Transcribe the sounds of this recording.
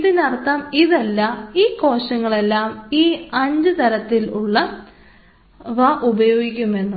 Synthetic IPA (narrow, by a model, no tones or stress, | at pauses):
ðinɐrt̪ːamiðɐlːɐiːko̞ːɕɐŋːɐɭe̞lːaːmiːɐɲd͡ʑɨt̪ɐɾɐt̪ːiluɭːɐ | ʋɐʔubɐjo̞ːɡikʲːume̞nːu